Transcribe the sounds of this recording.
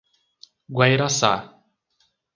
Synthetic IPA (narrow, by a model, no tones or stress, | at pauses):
ɡwajɾasa̰